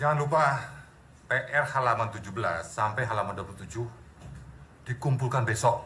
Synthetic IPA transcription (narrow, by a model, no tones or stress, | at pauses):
d͡ʒaŋanlupa | peʔɛrhalamant̪ud͡ʒuhbəla̰sːampajɦalamanduəpulut̪ud͡ʒʊh | d̥ikumpulkanbesɔʔ